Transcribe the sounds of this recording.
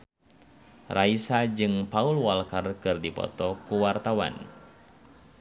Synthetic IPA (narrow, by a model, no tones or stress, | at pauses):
rʔaisad͡ʒɨŋpaulwalkarkɨrdipɔ̰t̪ɔkuwart̪awa̰n